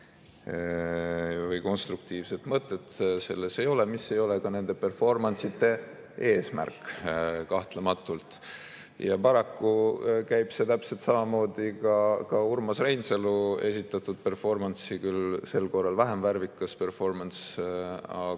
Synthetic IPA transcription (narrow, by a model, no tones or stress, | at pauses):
vɯjko̞nst̪ɾuk̚t̪iːvse̞t̪ˑmɤt̪ːˑe̞t̪se̞lːe̞se̞jo̞lemisːe̞jo̞lekɑne̞nd̪̥e̞pe̞rfo̞rmɑnsit̪ːˑe̞ | e̞ːsmæ̰rkːˑkɑht̪le̞mɑt̪ːˑult̪ˑ | jɑpɑɾɑkːukæjb̥se̞t̪æpse̞lt̪sɑmɑmo̞ːd̪̥ikɑkɑuɾmɑsrejnselue̞̰sʲit̪ːˑɑt̪ːˑud̪̥pe̞rfo̞rmɑnsikylse̞lko̞rːɑlvæɦemværvikːˑɑspe̞rfo̞rmɑns | ɑ